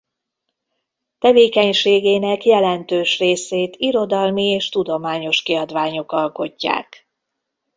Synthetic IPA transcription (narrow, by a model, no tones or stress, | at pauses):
t̪ɛveːkɛɲʃeːɡeːnɛkjɛlɛnt̪øːʃreːseːt̪iɾo̞d̪ɒlmieːʃt̪ud̪o̞maːɲo̞ʃkiɒd̪ʋaːɲo̞kɒlko̞cːa̰ːk